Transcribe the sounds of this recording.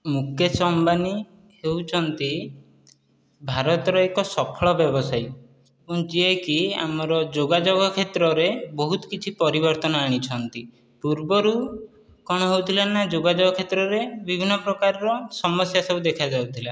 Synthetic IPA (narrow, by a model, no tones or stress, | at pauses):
mukesɔmbani | hewt͡ʃʰɔnt̪i | bʱaɾɔt̪ɔɾɔekɔsɔpʰɔɭɔbjɔbɔsaj | puŋ̃d͡ʒiekia̰mɔɾɔd͡ʒoɡad͡ʒoɡɔkʰet̪ɾɔɾebɔɦut̪ɔ̥kit͡ʃʰipɔɾibɔɾt̪ɔnɔaɽ̃it͡ʃʰɔnt̪i | puɾbɔɾu | kɔɽ̃ɔɦewt̪ʰilaːad͡ʒoɡad͡ʒɔɡɔkʰet̪ɾɔɾebibʱinːɔpɾɔkaɾɔɾɔsɔmɔsjasɔbud̪ekʰad͡ʒawt̪ʰila